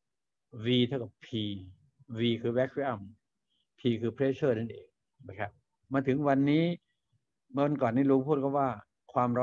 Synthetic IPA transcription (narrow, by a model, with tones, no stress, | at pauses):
wiː˧t̪ʰa˥˩wka˨˩pʰiː˧ | wiː˧kʰɯː˧wɛ˦˥kʰi˦˧˥ʔa˧˩m | pʰiː˧kʰɯː˧pʰɾeː˦˥sʰɤː˥˩na˥˩nʔḛː˨˧˩ŋ | ma˧˩kʰa˦˥p̚ | maː˧t̪ʰɯ˩˦ŋwa˧nːiː˦˥ | ma˧wa˧nkɔː˨˩nːiː˦˥˩luː˧ŋpʰuː˥˩kʰɔ˥˩waː˥˩ | kʰwaː˧mɾɔ˦˥